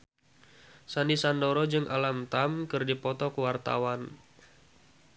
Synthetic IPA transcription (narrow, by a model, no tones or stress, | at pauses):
sanisandoɾɔd͡ʒɨŋʔa̰lamt̪amkɨrdipɔt̪ɔkuwart̪a̰wan